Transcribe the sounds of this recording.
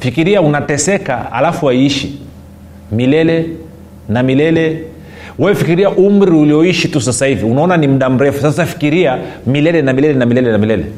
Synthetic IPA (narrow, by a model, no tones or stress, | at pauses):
fikiɾiaunatɛsɛka̰a̰lafuwaiiʃi | milɛlɛ | namilɛlɛ | wawɛfikiɾiaʔum̩ɾiuliɔiʃitusasaiviunaɔnanim̩ɗam̩ɾɛfusasafi̥kiɾiamilɛlɛnamilɛlɛnamilɛlɛnamilɛlɛ̰